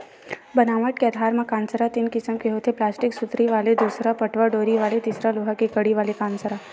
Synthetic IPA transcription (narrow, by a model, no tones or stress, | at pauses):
bənaːməʈ̚ket̪ʰaːɾmãkãːnsəɾat̪iːnkɪsəmkeɦot̪ʰeplaːsʈɪksʊt̪ɾiʋaːled̪uːsɾapəʈʰʋaɖoːɾiʋaːlet̪isɾaloɦakekəɽiʋaːlekaːnsəɾa